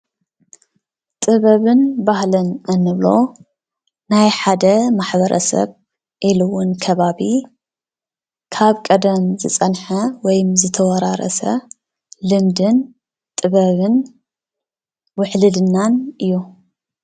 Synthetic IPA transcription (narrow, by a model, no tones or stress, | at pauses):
t̪ʼɨβɐβɨnbahlɨnɨnːɨβlo̞̰ | najħad̪ɐmaħbɐɾʔɐ̰sɐ̰β | ʔilɨwʊnkʰɐβaβi | kʰaβkʼɐd̪ɐmzɨt͡sʼɐnħɐwɔjmzɨt̪ʰɐwɐɾaɾɐ̰sɐ̰ | lɨmd̪ɨn | t̪ʼɨβɐβɨn | wʊħlɨd̪ɨnːanɨjːu